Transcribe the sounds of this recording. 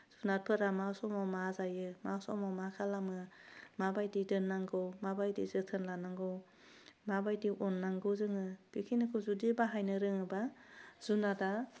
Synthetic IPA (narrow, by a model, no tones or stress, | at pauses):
z̥unat̚pʰɯɾamawsɔmawmazajɯmawsɔ̰mawmakʰalamɯmabajdidɯnːaŋɡɔwmabajdḭzɯtʰɯnlanaŋɡɯw | mabajdiʔɔnːaŋɡɯzɯŋɯpikʰinɯkʰɯzudibaɦajnɯɾɯŋɯbaz̥unada